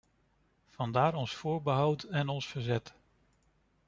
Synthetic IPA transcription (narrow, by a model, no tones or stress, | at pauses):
v̥ɑndaːɾɔnsfʊːɹbəɦʌwtɛnɔnsfəɹzɛt